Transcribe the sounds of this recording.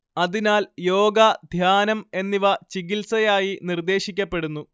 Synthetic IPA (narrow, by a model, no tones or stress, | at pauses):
ɐðinaːljo̞ːɡɐd̪ʱjaːnɐme̞nːiʋɐt͡ɕiɣilsɐjaːjinird̪e̞ːɕikʲːɐpːe̞ɽunːu